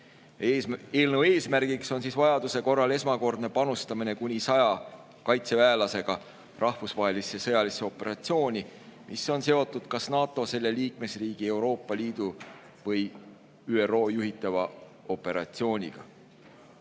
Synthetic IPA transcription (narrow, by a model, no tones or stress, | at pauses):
eːlnəwe̞ːsmæɾɡ̥ikso̞nsiːsvɑjɑd̪̥use̞ko̞rːɑle̞smɑko̞rd̪̥ne̞pɑnust̪ɑmine̞kunʲisɑjɑ | kɑjt̪se̞væːlɑse̞ɡ̥ɑ | rʔɑhfusvɑɦe̞lisesɤ̞jɑliseo̞pːˑe̞ɾɑt̪sio̞ːnʲimʔiso̞nse̞o̞t̪ːˑud̪̥kɑsnɑːt̪ˑo̞se̞lːe̞liːk̚me̞sriːɡ̥ie̞wɾo̞ːpˑːɑliːd̪̥u | vɤj | yːero̞ːjuɦit̪ːˑɑvɑ | o̞pːˑe̞ɾɑ̰t̪sio̞ːnʲḭɡ̥ɑ̰